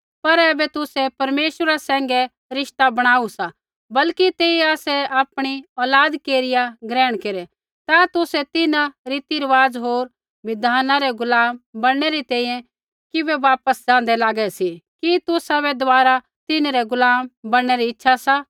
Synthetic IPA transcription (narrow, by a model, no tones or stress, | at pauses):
pɐɾɛbɛt̪ʊsɛpɐɾmeːʃəɾasɛ̃ːŋɡɛ | ɾɪʃt̪abɐɽ̃aːusa | bɐlkit̪eːiaːsɛaːpɽ̃iɔːlaːd̪keːɾɪjaɡɾɛːɽ̃keːɾɛ | t̪at̪ʊsɛt̪ɪnãɾit̪iɾəʋaːzɦoːɾ | ʋɪd̪ʱaːnãɾɛɡʊlaːmbɐɽɽ̃ɛɾit̪ɛ̃ːĩjɛ̃ | kɪbɛʋaːpəsd͡ʒãːn̆d̪ɛlaːɡɛsikit̪ʊsabɛd̪ʊʋaːɾa | t̪ɪnɾɛɡʊlaːmbɐɽ̃ɛɾiɪtːʃʰasa